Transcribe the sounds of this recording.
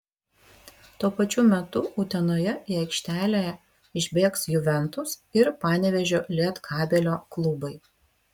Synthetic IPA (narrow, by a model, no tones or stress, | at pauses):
t̪uɔpɐt͡ʃʲuːmʲɛt̪ʊʊːt̪ʲɛnoːjɛɪɐɪkʃʲt̪ʲæːlʲeːjɛ | ɪʒʲbʲeːksjʊʋʲɛnt̪ʊsɪɾpɑːnʲɛʋʲɛʒʲoːlʲiɛt̪kʰɑːbʲɛlʲoːklˠʊbɐɪ